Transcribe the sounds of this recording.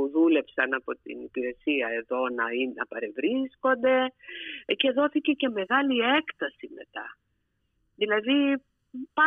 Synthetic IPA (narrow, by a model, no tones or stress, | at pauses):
uðule̞psɐnɐpo̞t̪ḭnipiɾe̞siɐe̞ðo̞nɐinɐpɐɾe̞vɾisko̞nd̪e̞ | ce̞ðo̞θice̞ce̞me̞ɣɐliekt̪ɐsime̞̰t̪ɐ̰ | ðilɐði | pɐ